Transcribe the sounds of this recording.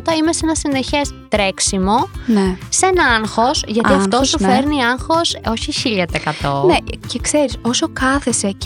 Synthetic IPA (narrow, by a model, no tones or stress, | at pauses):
t̪ɐime̞senɐsineçest̪ɾeksimo̞nesenɐɐŋxo̞sʝɐt̪iɐft̪osufeɾniɐŋxo̞so̞çiçiʎɐt̪eekɐt̪o̞necekse̞ɾiso̞so̞kɐθese